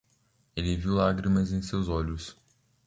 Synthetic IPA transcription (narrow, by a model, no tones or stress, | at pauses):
elɪviwlaɡɾimɐzẽj̃sewzɔʎʊs